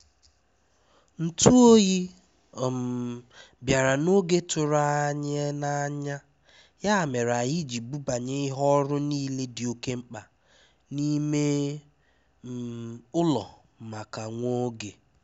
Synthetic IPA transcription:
n̩˨tu˦o˦ɣi˦˨ | m̩˨ | bja˨ɾa˨no˦ɡe˦tʊ˨ɾa˨a˦˨ɲe˦na˦ɲa˦ | ja˦˨me˨ɾa˨ɦi˦d͡ʒi˨bu˦ba˨ɲe˦ɪ˦ɦɔ˦ɾʊ˦niː˦le˦dɪ˨o˨ke˦ŋ͡m̩˦k͡pa˨ | ni˦me˦˨ | ʊ˦lɔ̰˨ | ma˨ka˨ŋʷo˦ɡe˨

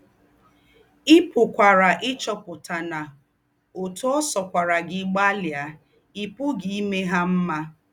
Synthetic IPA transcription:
ɪ˦pʊ˨kʷa˨ɾa˨ʔɪ˦t͡ʃɔ˨pʊ˨ta˨na˨ | o˨tu˦ɔ˦sɔ˨kʷa˨ɾa˨ɡɪ˨˦ɡ͡ba˦lja˨ | i˦pʊ˦ɡi˦i˦me˦ɦa˦m̩˦ma˦

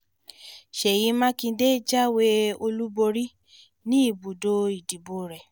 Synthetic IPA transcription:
ʃɛ˨ji˨˦mã˦kĩ˧de˦d͡ʒa˦we˦o˧lu˦bo˧ɾi˦ | nĩ˦i˦˨bu˨do˧i˨di˨bo˨ɾɛ˨

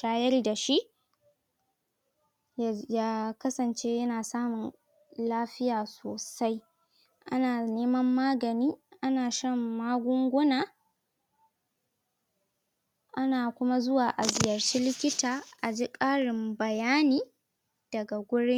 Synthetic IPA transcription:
ʃaː˦jɐ˦rda˨ʃi˦ʔ | jaː˦kɐ˦sɐ˨nt͡ʃe˦jɐ˦naː˨saː˦mʊ˨n | laː˦ɸɪ˦jaː˨soː˨sa˦j | ʔa˦naː˨neː˦mɐ˦mːaː˦ɡɐ˨niː˦ʔa˦naː˨ʃɐ˦mːaː˦ɡʷʊ˦ŋɡʷʊ˦naː˨ | ʔa˦naː˨kʷʊ˦ma˦zʊ˦waː˨ʔa˨zɪ˨jɐ˨rt͡ʃi˦lɪ˦kʲɪ˦taː˨ʔa˨d͡ʒi˦kʼaː˦ɽɪ˨mbɐ˨jaː˦niː˦ | d̥ɐ˨ɡa˨ɡʷʊ˦ɽɪ˦ŋ

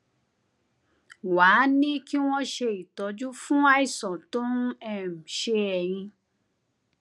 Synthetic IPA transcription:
waː˨˦nĩ˦ki˦w̃ɔ̃˦ʃe˧i˨tɔ˨˧d͡ʒu˦fũ˦a˦i˦˨sɔ̃˨tõ˦ɛ˦˨m̩˨ʃe˧ɛ˨j̃ĩ˧

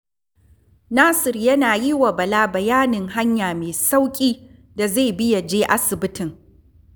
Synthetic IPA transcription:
naː˦sɪ˨rjɐ˦naː˨ji˦wa˨bɐ˨laː˦bɐ˨jaː˦nɪ˨ŋɦa˦ɲjaː˨meː˨sa˦wkʲʼiː˦ | da˨za˦˨bɪ˦ja˨d͡ʒeː˦ʔa˦sɪ˨bɪ˦tɪ˨ŋ

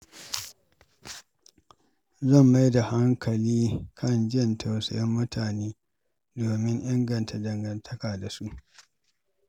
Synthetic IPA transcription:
zɐ˦˨mːa˦jda˨ha˦ŋkʰɐ˨liː˦kʰɐ˦nd͡ʒɪ˦˨ntʰa˨wsɐ̰˨jɐ˦mːʊ˦tʰaː˨neː˦ | doː˨mɪ˦ŋʔɪ˦ŋɡɐ˨ntʰa˨dɐ˨ŋɡɐ˨ntʰɐ˦kaː˨da˨su˦ʔ

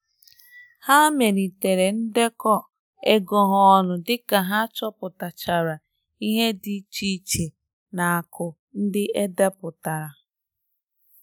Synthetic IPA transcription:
ha˦me˨ɾi˨te˨ɾe˨n̩˦de˦kɔ˦ | e˦ɡo˨ɦɔ˨ɔ˨nʊ˨dɪ˦ka˨ɦa˦t͡ʃɔ˦pʊ˨ta˨t͡ʃa˨ɾa˨ | i˦ɦe˦dɪ˦t͡ʃi˦t͡ʃe˨ | na˨a˨kʊ˨ | n̩˦dɪ˦e˦de˦pʊ˨ta˨ɾa˨

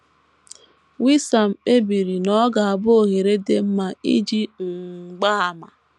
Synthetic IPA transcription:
wi˦sa˨m̩˨k͡pe˦bi˨ɾi˨nɔ˦ɡa˨a˨bʊ˦o˨ɣe˨ɾe˦de˦m̩˦ma˨ḭ˦d͡ʒi˦ŋ̩˨ɡ͡ba˦a˨ma˨

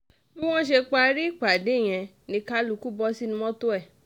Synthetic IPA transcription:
bi˦w̃ɔ̃˦ʃe˧k͡pa˧ɾi˦˨k͡pa˨de˨˦˨j̃ɛ̃˧ | nĩ˧ka˦lu˧ku˦bɔ˧˦si˦nũ˧mɔ̃˦to˦ɛ˦˨

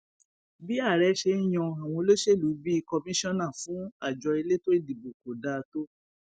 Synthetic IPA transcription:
bi˦a˦˨ɾɛ˧˦ʃe˧i˦j̃ɔ̃˧a˨w̃ɔ̃˧lo˦ʃe˦˨lu˨˦bi˦i˦˧kɔ˧mĩ˦ʃɔ̃˦nã˦˨fũ˨˦a˦˨d͡ʒɔ˧i˧le˦to˦ɾi˦˨di˨bu˨ko˨da˨˧to˦

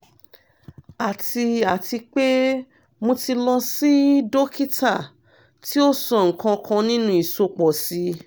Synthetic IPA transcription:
a˨ti˧a˨ti˧k͡pe˦ | mo˧ti˧lɔ˧si˦do˦ki˦ta˦˨ | ti˦o˦sɔ˦˨ŋ̩˨kã˧kʰã˧nĩ˦nũ˦i˨so˧k͡pɔ˨si˧˦

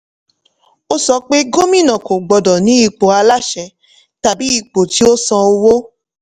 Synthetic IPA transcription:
o˦sɔ˧k͡pe˦ɡo˦mĩ˦˨nã˨ko˨ɡ͡bɔ˨dɔ˨nĩ˨˦i˧k͡po˨a˧la˦ʃɛ˨˧˦ | ta˨bi˨˦i˧k͡po˨ti˨˦o˦sɔ̃˧o˧wo˦

